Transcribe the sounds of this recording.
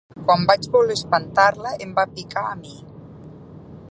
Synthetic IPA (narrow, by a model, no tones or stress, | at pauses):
kwambad͡ʒβulespant̪aɾləʔembapikaːmi